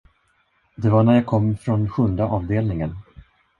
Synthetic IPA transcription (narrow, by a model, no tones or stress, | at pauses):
d̪ɛvaɳæɾjaːkʰɔmːfɾɔnɧɵnd̪aʔɑːvd̪eːlnɪŋən